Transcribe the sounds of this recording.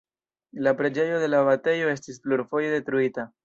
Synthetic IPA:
lapɾe̞d͡ʒe̞jo̞ðe̞laβatejo̞e̞stisfluɾfo̞jede̞tɾuita

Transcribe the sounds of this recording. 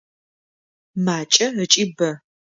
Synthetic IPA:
maːt͡ʃʼɐət͡ʃʼibɐ

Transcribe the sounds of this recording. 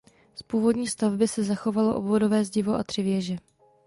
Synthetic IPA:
spuːvo̞dɲiːst̪avbɪsɛzaxo̞valo̞̰ʔobvodo̞vɛːzɟɪvoʔa̰t̪r̝̥ɪvjɛʒɛ

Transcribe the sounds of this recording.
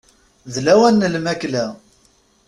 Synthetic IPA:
ðlæwænːəlmæklæ

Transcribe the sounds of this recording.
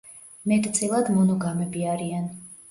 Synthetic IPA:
mɛt̪ʼt̪sʼilˠad̪mɔnɔɡamɛbiaɾian

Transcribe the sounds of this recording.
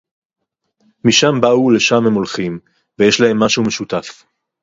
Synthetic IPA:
miʃambaule̞ʃamhemo̞lχim | vejeʃlahe̞mːaʃume̞ʃutaf

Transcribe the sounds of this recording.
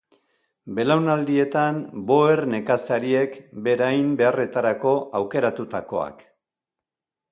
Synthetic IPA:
be̞lawnald̪ie̞t̪ambo̞erne̞kasaɾie̞kbe̞ɾajmbe̞are̞t̪aɾako̞ʔawke̞ɾat̪ut̪ako̞̰a̰k

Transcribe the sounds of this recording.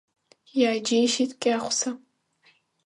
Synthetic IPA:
jaːd͡ʒejʃitkʲʼaːχʷʊ̥sɐ

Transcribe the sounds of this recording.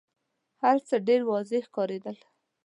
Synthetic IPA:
haɾt͡səɖeɾwɑzexkɑɾed̪əl

